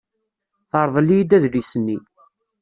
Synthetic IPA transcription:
θɑɾˤðˤəlːijid̪æðlisənːi

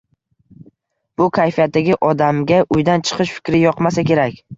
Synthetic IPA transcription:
b̥ʊkʲʰajfijat̪̚ːaɡʲɪʔɒd̪amɡʲaʔʊjd̪ant͡ʃʰɨ̥qʰɨʃfɪ̥kʲɾɪjɒqmasakʲʰe̞ɾakʲ

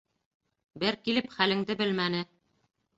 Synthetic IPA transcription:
bɘɾkilɘpχælɘ̆ŋd̪ɘbɘlmænɘ

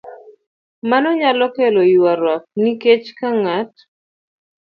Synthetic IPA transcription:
manɔɲalɔkelɔjuaɾwak̚niket͡ʃkaŋat̚

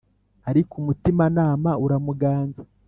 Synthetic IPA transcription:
aɾikumutimanaːmauɾamuɡaːnzḁ

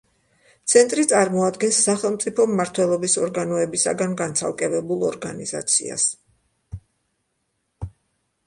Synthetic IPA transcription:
t̪sʰɛnt̪ʼɾit̪sʼaɾmɔad̪ɡɛnsːaχɛlˠmt̪sʼipʰɔmːaɾt̪ʰwɛlˠɔbisɔɾɡanɔɛbisa̰ɡanɡant̪sʰa̰lˠkʼɛvɛbulˠɔɾɡaniz̥a̰t̪sʰḭa̰s

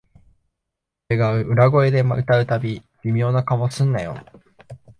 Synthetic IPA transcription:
t̪e̞ɡaɯ̟ʔɯ̟ɾaɡo̞e̞d̪e̞maɯ̟t̪aɯ̟t̪abʲi | b̥ʲimʲo̞ːnakamosɨ̃nːajo̰

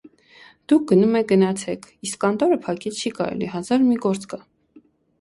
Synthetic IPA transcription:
d̪̥uk̚ʰɡ̥ənumɛk̚ɡənɑt͡sʰɛkʰiskːɑnt̪ɔɾəpʰɑkit͡sʰt͡ʃʰikɑ̰ɾɛ̰lḭɦɑzɑɾmiɡɔɾt͡skɑ

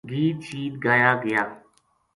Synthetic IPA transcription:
ɡiːt̪t͡ʃiːt̪̚ɡaːjaːɡəjaː

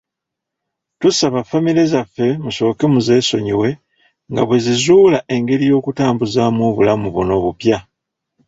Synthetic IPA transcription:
tusaβafːamiɾe̞zafːe̞muso̞ːkemuze̞ːso̞ɲiwe̞ | ŋɡa̰βwe̞zizuːlaʔe̞ŋɡe̞ɾijo̞ːkutaːmbuzamwoːβulamuβuno̞ːβupja

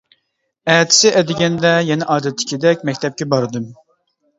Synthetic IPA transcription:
ɛt̪ʰɪ̥sɪʔɛd̪ɪɡʲɛnd̪ɛjɛnɛʔɑːd̪ɛt̪ʰːɪ̥kʲʰid̪ɛkʲmɛkʲt̪ʰɛp̚kʲɛbɑɾɨd̪ɨm

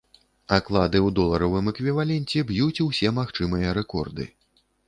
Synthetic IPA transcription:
aklˠad̪ɨwd̪ɔlˠɐɾɐvɨmɛkvʲivalʲɛnʲt͡sʲɛbjut͡sʲwsʲɛmaxt͡ʂɨmɨjɐɾɛkɔrd̪ɨ̰

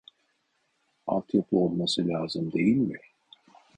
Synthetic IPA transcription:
a̰lˠt̪ʰjapʰˠɯolˠmasɯlʲaːzɯmd̪e̞jilʲmɪ

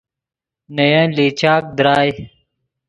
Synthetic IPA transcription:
nɐjãːliːt͡ɕaːk̚d̪ɾaːj

